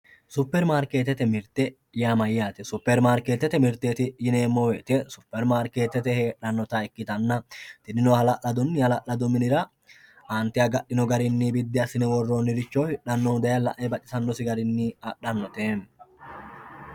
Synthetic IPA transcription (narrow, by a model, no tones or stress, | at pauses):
sʊpːɛɾmaːɾkeːt̪ɛt̪ɛmɪɾt̪ɛ | ɪjamɐjjaːt̪ɛsʊpːɛɾmaːɾkeːt̪ːɛt̪ɛmɪɾt̪ːeːt̪ɪjɪne̞ːmːɔweːt̪ɛsʊpːɛɾmaːɾke̞ːt̪ːɛt̪ɛheːᶑɐnːɔt̪ɐɛkːɪt̪ɐnːɐt̪ɪnɪnoːhɐlɐʔɐd̪ɔnːɪhɐlɐʔɐd̪ʊmɪnɪɾɐ | ʔaːnt̪ːɛɐɡɐɗːɪnɔɡɐɾɪnːibɪd̪ːɪɐsɪnɛwɔrːoːnːɪɾɪt͡ʃːoːhɪᶑɐnːɔd̪ɐjɐlɐ̰ʔɛbɐt͡ʃʼːɪ̥sɐnːɔsɪɡɐɾɪnːiɐᶑɐnːɔt̪eːn